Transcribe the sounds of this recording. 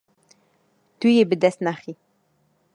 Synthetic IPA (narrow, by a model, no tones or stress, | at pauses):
t̪yjebəd̪ɛsnaχi